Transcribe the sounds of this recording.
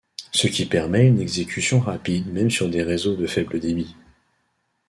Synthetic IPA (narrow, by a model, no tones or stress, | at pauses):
səkʲipɛʁmɛynɛɡzekʲysjɔ̃ʁapid̪mɛmsyʁd̪eʁezod̪əfɛbləd̪emi